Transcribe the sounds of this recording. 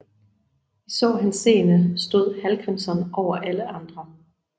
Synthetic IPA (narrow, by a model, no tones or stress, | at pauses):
isɒ̰ːɦænse̝̰ːnəsd̥o̝ð̞̰ˠhælkʰɛnsɒnʔɒʊɐʔæləʔɑ̈nd̥ʁɐ